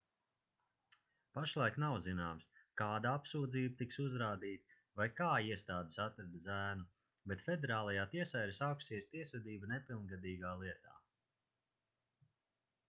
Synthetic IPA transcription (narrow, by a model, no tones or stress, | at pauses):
paʃlˠajknawzinaːmskaːd̪aapsuːd̪ziːbat̪iksuzɾaːd̪iːt̪ | vajkaːiɛst̪aːd̪esat̪ɾad̪zæːnu | bet̪fed̪ɛɾaːlˠajaːt̪iɛsajɾsawksiɛst̪iɛsvɛd̪iːbanɛpilˠnɡad̪iːɡaːlˠiɛt̪a̰ː